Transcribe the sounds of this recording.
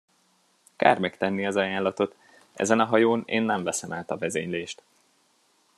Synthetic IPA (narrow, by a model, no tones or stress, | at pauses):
ka̰ːrmɛkt̪ɛnːiɛzɒjaːlːɒt̪o̞t̪ | ʔɛ̰zɛnɒɦɒjoːnḛːnːɛɱvɛsɛmaːt̪ɒvɛzeːɲleːʃt̪